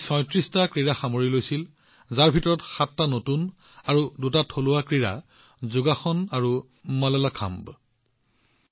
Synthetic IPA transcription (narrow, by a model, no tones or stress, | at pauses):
sɔ̃jtɹistakɹiɹaxamoɹilojsil | zaɹbʱitɔɹɔtxatːanotun | aɹudutatʰolʊwakɹiɹa̰ | zuɡaxɔnaɹu | malɔlakʰa̰mb